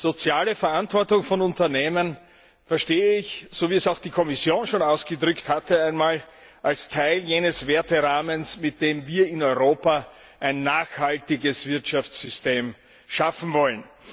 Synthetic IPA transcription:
z̥ot͡sjaːləfɛɐantv̥ɔɐtʊŋfɔnʊntɐneːmən | fɛɐʃteːəɪçz̥oviːɛsaʊxd̥iːkʰɔmɪsjoːnʃoːnaʊsɡ̥ədʁʏkthatəæɪnmaːl | ʔalstʰaɪljeːnəsv̥eːɐtəʁaːmənsmɪt̚d̥eːmviːɐɪnɔʏʁoːpa | ʔæɪnːaːxhaltɪɡəsv̥ɪɐtʃaft͡szʏsteːm | ʃafn̩vɔlən

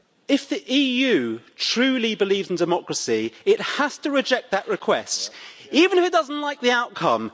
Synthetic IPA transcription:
ɪfðiʔiːjʉːtʰɹ̥ʉːlibɪliːvzɪ̃n̩dɪmɒkɹəsiɪt̚haz̥tʰəɹɪd͡ʒɛk̪̚ðəʔɹɪkʰw̥ɛstiːvə̃ñɪfɪt̚d̥ʌzə̃n̩ʔlaɪk̚ðiaʊʔ̚kʰʌ̰̃m

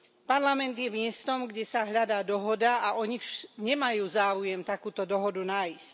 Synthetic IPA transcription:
paɾlamɛnd̪jɛmɪɛst̪ɔmɡɟɛsaɦʎad̪aːd̪ɔɦɔd̪aaʔɔɲiɲɛmajuːzaːujɛmt̪akuːt̪ɔd̪ɔɦɔd̪unaisc

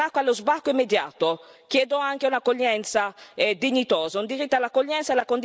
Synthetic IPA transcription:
akːoalːozbakːoimːed̪jaːt̪ok̟jɛːd̪oaŋkeunakoʎːɛnt̪saɛd̪iɲːit̪oːzaund̪iɾit̪ːalakoʎːɛnt̪salakond̪

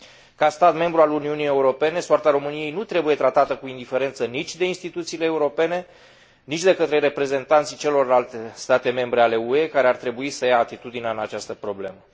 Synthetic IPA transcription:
kast̪at̪me̞mbɾualuniunije̞uɾo̞pe̞ne̞soart̪aɾo̞mɨnije̞jnut̪ɾe̞buje̞t̪ɾat̪at̪əkuind̪ife̞ɾe̞nt̪sənit͡ʃʲd̪e̞inst̪it̪ut̪sileːuɾo̞pe̞ne̞ | nit͡ʃʲd̪e̞kət̪ɾe̞ɾe̞pɾe̞ze̞nt̪ant̪sit͡ʃe̞lo̞rlalt̪est̪at̪e̞me̞mbɾe̞ale̞ue̞kaɾeart̪ɾe̞buisəjaːt̪it̪ud̪ineaɨnat͡ʃast̪əpɾo̞ble̞̰mə

